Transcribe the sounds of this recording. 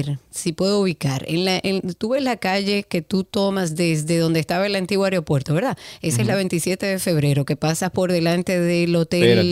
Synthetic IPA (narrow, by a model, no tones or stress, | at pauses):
ɾsipwe̞ðouβikaɾḛnlaʔent̪uβe̞zlakaʝe̞ke̞t̪ut̪o̞masðezðe̞ðo̞nd̪eːst̪aβaelant̪iɣwoaɾeopwe̞ɾt̪o̞βe̞ɾðaesaezlaβe̞nt̪isje̞t̪e̞ðe̞fe̞βɾe̞ɾo̞ke̞pasaspo̞ɾðe̞lant̪eðelo̞t̪ell